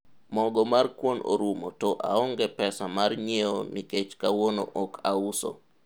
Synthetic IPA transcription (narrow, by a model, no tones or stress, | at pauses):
mɔɡɔmarkwono̰ɾumotɔʔa̰ɔŋɡɛpɛsamarɲeoniket͡ʃkawono̰ʔɔkʰauso̰